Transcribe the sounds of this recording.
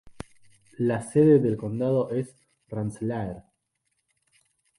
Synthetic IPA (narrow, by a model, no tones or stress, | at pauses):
laseðeðelko̞nd̪að̞oʔes | ranslaeɾ